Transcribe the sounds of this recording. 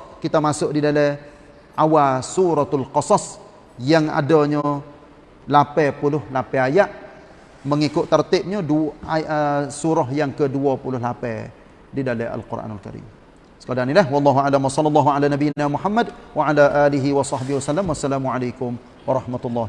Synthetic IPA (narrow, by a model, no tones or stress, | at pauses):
kit̪amasʊʔdidalɛ | ʔawasuɾɔt̪alqɑsɑs | jaŋa̰dɔɲə | lapɛpulʊhlapɛajaʔ | məŋikʊʔt̪ərt̪ɪp̚ɲəduəsuɾɔɦjaŋkəduapulʊhlapɛ | didalɛa̰lkura̰nalka̰ɾḭm | sə̥kadanilahwɑlˤːɑɦualamwasɑlːɑlːɑɦuʕalanabinamuħamːadwaʕalaʔaliɦiwɑsɑhbɪhwasalːamwasːalamuʕalajkʊm | wɑɾˤɑhmat̪ulːɑh